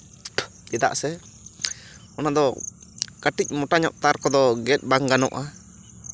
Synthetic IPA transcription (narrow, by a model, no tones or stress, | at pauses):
ɛd̪a̰ʔsɛ | ɔnad̪ɔ | kaʈic̚ˀmɔʈaɲɔʔt̪aɾkɔd̪ɔɡɛt̪̚ˀbaŋɡanɔ̰ʔa